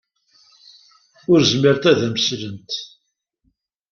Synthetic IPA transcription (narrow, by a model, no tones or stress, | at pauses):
ʊɾzmiɾt̪æðæmslənt̪